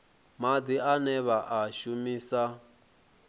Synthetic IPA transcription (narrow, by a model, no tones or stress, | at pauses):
mad̪ianɛβaʔaʃumiːsa